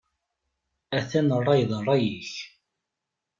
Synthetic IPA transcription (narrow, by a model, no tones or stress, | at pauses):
æθænərˤːɑjðˤrˤːɑjiç